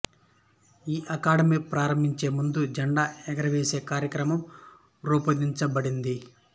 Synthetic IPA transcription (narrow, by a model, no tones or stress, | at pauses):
iːʔɐkaːɽɐmiːpɾaːɾɐmbʱiɲt͡ʃe̞ːmund̪ud͡ʒɐɳɖaːɛɡɐɾɐʋeːse̞ːkaːɾjɐkɾɐmɐm | ɾuːpɐd̪iɲt͡ʃɐbɐɽind̪i